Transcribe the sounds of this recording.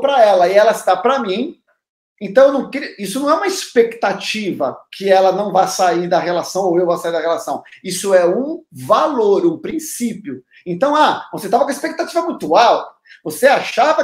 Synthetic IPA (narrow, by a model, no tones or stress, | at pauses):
pɾɐɛlɐɪɛlɐsɪ̥d̪apɾɐmĩ | ẽnt̪ɐ̃w̃ewnɐ̃w̃keɾiisʊnɐ̃ɛũmɐispekt̪at͡ʃivɐ̰kʰɪɛlɐnɐ̃w̃vajsaiɾd̪ɐɦelasɐ̃w̃owewvosaiɾd̪ɐɦelasɐ̃w̃isʊɛũvaloɾũpɾĩsipjʊ | ẽnt̪ɐ̃w̃avoset̪avɐkõispek̚t̪at͡ʃivɐmut̪uaw | voseaʃavɐ